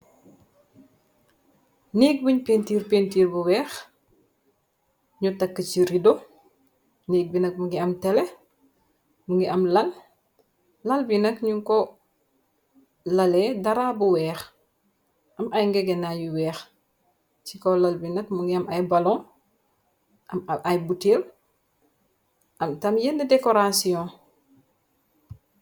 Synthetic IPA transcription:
niːk̚buɲpentiːrpentiːrbuwɛːx | ɲutɐkːəciɾido | niːk̚binɐk̚muŋɡiɐmtɛlɛ | muŋɡiʔɐmlɐn | lɐlbinɐkɲuŋkɔ | lɐlɛdɐɾaːbuwɛːx | ʔɐmɐjŋɡɛɡɛnajuwɛːx | t͡ʃikɔlɐlbinɐkmuŋɡiɐmɐjbalɔ̃ | ʔɐmɐʔɐjbutil | ʔɐmtɐmjɛndɛdɛkɔɾasiɔ̃

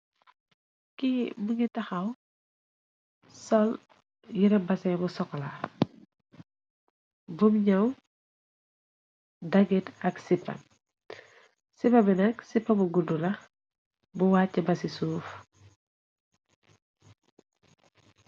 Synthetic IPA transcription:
kimuɲitɐxɐw | sɔl | jiɾɐbɐsɛbusɔkːɔla | bumɲɐw | dɐɡitɐksipːɐ̰ | sipːɐbɛnɐksipːɐbuɡudulɐ | buwaːcːɐbɐsisuːf

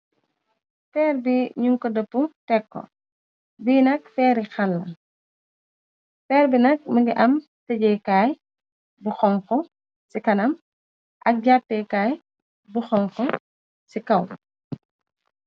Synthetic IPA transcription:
fɛːrbiɲuŋkɔdəpːutɛkːɔ̰ | biːnɐk̚fɛːɾixɐlːɐ | fɛːɾbinɐk̚mɐɡiʔɐm | tɛɟɛjkaːj | buxɔŋkɔ | sikɐnɐm | ʔɐk̚ɟatːɛkaːj | buxɔŋkɔ | sikɐw

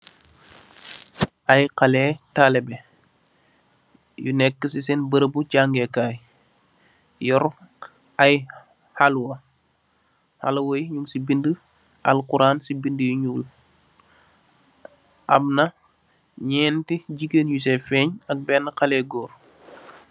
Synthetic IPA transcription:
ʔɐjqɐlɛːtalɛbɛ | junɛkːəsisɛnbəɾəbucaːŋɡɛkaːj | jɔɾ | ɐj | halwɐ | ha̰lwojɲuŋsibində | ʔɐ̰lkuɾaːnsibindəjuɲuːl | ʔɐmnɐ | ɲɛːntiɟikenjus̬ɛfɛːɲɐk̚bɛːnːqɐlɛːɡɔːɾ

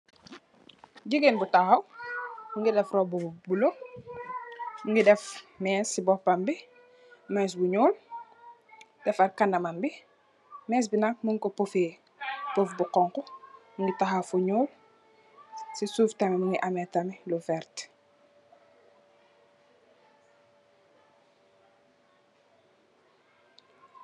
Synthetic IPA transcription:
ɟiɡenbutaxɐw | uŋɡidɛfrɔbubulo | ŋɡidɛfmɛːsːibɔfbambi | mɛs̬buɲuːl | d̥ɛfɐrkɐnɐmɐmbi | mɛːs̬binak̚muŋkɔpufeː | pɔfbuqɔŋkɔmuŋɡitaxafuɲɔːl | sisuːftɐmɛmuŋɡiʔɐmɛtɐmilufɛrt

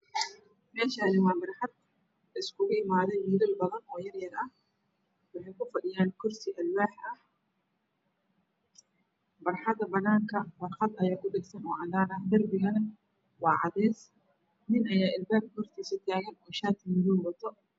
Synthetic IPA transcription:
mɛːʃaːnɪwɑːbɐrħɑd̪ | ɪskʰʊɣʊɪmaːðɛmiːðɪlbɐðɐnɔːjɐɾjɐðɐɐh | wɑħɑjkʰʊfɐɗɪjaːnkʰʊrsɪʔɐlwaːħɐh | bɐrħɑd̪ɐbɐnaːŋkʰɐwɑrqɑd̪ɐjaːkʰʊdɛɡsɐnɔːʕɑd̪aːnɐhd̪ɐrbɪɣɐnɐ | wɑːʕɑ̰ðɛːs | nɪnʔɐjaːʔɪlbaːb̚khɔrt̪ʰiːsɐt̪ʰaːɣɐnɔːʃaːt̪ʰɪmɪðuːnwɐt̪ʰɔ

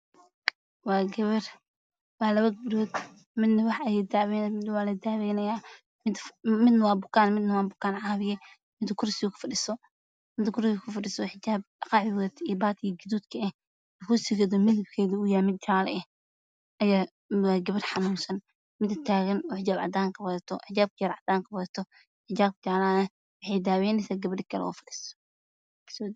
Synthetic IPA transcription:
wɑːɡɐβɐr | wɑħlɐwɐɡɾɔd̪ | mɪd̪nɐwɑħɐjɛd̪aβɛnmɪd̪wɑːlɐd̪aːβɛːnɐjaː | mɪd̪mɪd̪nɐwɑːbʊkʰaːnmɪd̪nɐwɑːbʊkʰaːnʕɑβɪjɛ | mɪd̪ɐkʰʊrsɪkʰʊ̥fɐɖɪsɔ | mɪd̪kʰʊɾkʰʊfɐɖɪsɔħɪt͡ʃaːb̚ɖɑqɑːʕɪwðɛt̪ʰibaːt̪ʰɪɣɐɡɪd̪uːt̪kʰɐɛh | ɛkʰʊsɪɣɛðɔmɪðɐbkʰɛːðiʊjaːmɪd̪̚t͡ʃaːlɛɛ | ʔɐjaː | aɡɐβɐdħɑnuːnsɐn | mɪd̪ɐt̪ʰaːɣɐnɔːħɪd͡ʒaːbʕɑ̰d̪aːŋkʰɐwɐðɐt̪ʰɔħɪd͡ʒaːb̚kʰɐjɐɾʕɑd̪aːŋkʰɐwɐðɐt̪ʰɔ | ħɪt͡ʃaːb̚kʰt͡ʃaːlaːnɛ | wɑħɑjd̪aːwɛːnɛsaːɡɐβɐɖɪkʰɐlɛ̰ɔ̰ːfɐɗist̪ɔ̥ | sɔ

